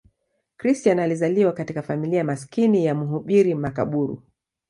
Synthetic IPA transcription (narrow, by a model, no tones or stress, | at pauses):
kɾistianalizaliwakatikafamiliamaskinijamuɦuɓiɾimaka̰ɓuɾṵ